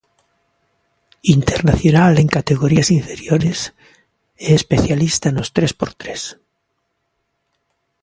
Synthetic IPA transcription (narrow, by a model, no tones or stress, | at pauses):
int̪eɾnaθjonaleŋkat̪eɣoɾiasiɱfe̞ɾjoɾes | eespeθjalist̪anost̪ɾespoɾt̪ɾes